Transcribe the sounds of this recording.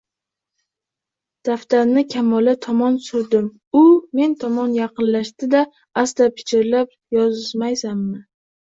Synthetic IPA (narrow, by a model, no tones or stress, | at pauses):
d̪̥aft̪aɾnɪkʲʰamɒlɪt̪ʰɒmɒnsʊɾd̪ɪm | ʊme̞nt̪ʰɒmɒnjɑqʰɨnlaʃt̪ɪd̪a | ast̪apʰɪ̥t͡ʃʰɪɾlap̚ | jɒzɪzmajsamːɪ